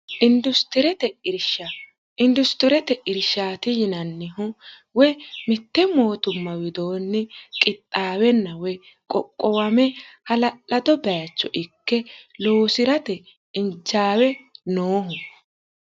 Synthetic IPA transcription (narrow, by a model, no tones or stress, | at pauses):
ʔɪnd̪ʊst̪ɪɾɛt̪ɛɪɾʃa | ɪnd̪ʊst̪ɪɾɛt̪ɛʔɪɾʃaːt̪ɪjɪnɐnːɪɦʊ | wɛmɪt̪ːɛmo̞ːt̪ʊmːɐwɪd̪o̞ːnːɪkʼɪt̪ʼːaːwɛnːɐwɛ | kʼɔkʼːɔwɐmɛhɐlɐlɐd̪ɔbɛjɐt͡ʃːɔ̰ʔɪkːɛloːsɪɾɐt̪ɛ | ɪnt͡ʃːaːwɛnoːɦʊ